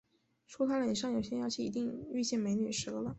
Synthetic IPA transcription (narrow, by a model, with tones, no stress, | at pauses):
ʈ͡ʂʰu˥t̪ʰa˥lə˨˩ʂ̬ɑ˥˩ŋjo˨˩ʊɕjɛ˥njɑ˥t͡ɕʰi˥˩i˧˥t̪̬i˥˧ŋy˥˧t͡ɕjɛ˥˩nme˧˥ɪny̰˨˩ʂɤ˧˥lə˨˦